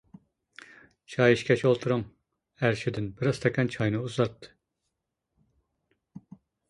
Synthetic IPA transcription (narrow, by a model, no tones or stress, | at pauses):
t͡ʃʰɑjiʃkʲʰɛʃolˠt̪ʰuɾuŋ | æɾʃɪd̪ɪnbɪɾɑz̥t̪ʰɑkʲɛnt͡ʃʰɑjnɨuzɑt̪ːɨ̥